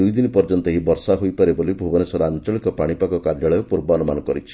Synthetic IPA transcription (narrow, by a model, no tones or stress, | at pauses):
ujd̪inipɔɾd͡ʒɔnt̪ɔɦibɔɾsaɦojpaɾibolibʱubɔnesɔɾaant͡ʃɔɭikɔpaɽ̃ipakɔkaɾd͡ʒaɭɔjɔpuɾbɔɔnumanɔkɔɾit͡ʃʰi̥